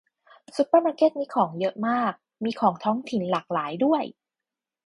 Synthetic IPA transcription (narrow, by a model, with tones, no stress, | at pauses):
su˧˥pːə˥˩maː˧keː˥˩t̪̚miː˧kʰɔː˩˦ŋjɤ˦˥ʔmaː˥˩k̚ | miː˧kʰɔː˩˦ŋt̪ʰɔː˦˥ŋt̪ʰi˨˩˦nlaː˨˩k̚laː˩˦jdu˥˩əj